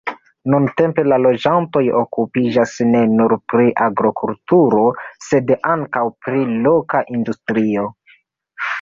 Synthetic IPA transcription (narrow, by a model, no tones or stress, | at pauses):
nunte̞mpe̞lalo̞d͡ʒanto̞jo̞̰kupid͡ʒasne̞nuɾpɾiʔaɡɾokʰultuɾo̞se̞daŋkawpɾilo̞kaʔindustɾio̞